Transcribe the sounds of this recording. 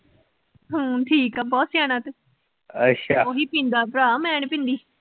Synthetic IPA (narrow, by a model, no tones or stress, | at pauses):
ɦõːʈʰiːkaːbɔːt̪sjaːnãːt̪e | ətʃʰaːoːɦiːpĩnd̪aːpɾaːmɛːɳpɪ̃nd̪iː